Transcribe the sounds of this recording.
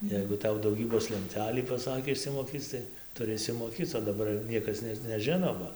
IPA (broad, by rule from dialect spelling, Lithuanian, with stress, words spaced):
ˈjɛɪɡʊ ˈtɐʊ dɐʊˈɡʲiːboːs lʲɛnʲˈtʲæːlʲiː pɐˈsɑːkʲeː ɪʃʲsʲɪmoːˈkʲiːt͡s tɐɪ tʊˈrʲɪ ɪʃʲsʲɪmoːˈkʲiːt͡s oː dɐˈbɐr ˈnʲiɛkɐs nʲɛt nʲɛˈʒʲɪnoː ˈbɐ